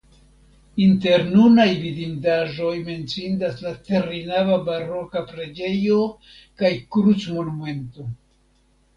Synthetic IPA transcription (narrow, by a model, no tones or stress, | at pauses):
inte̞ɾnunajvidindaʒo̞jme̞nt͡sindaslate̞ɾinavabaɾo̞kapɾe̞d͡ʒe̞jo̞ | kajkɾut͡smo̞nume̞nto̞